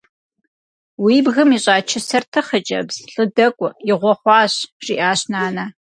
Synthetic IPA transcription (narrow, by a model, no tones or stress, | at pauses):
wiːbɣɨmiɕʼaːt͡ʃʰɪsɐrtʰɨχət͡ʃʼɐ̰bz̥ɬʼɨdɐkʷʼʊjɪʁʷɔχʷɑːɕʒ̥iːʔaːɕnaːna